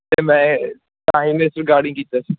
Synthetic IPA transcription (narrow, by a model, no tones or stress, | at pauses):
t̪eːmɛ̃ː | t̪ãːɦĩnẽsəɾɡaːɽɪ̃ŋkiːt̪aːsiː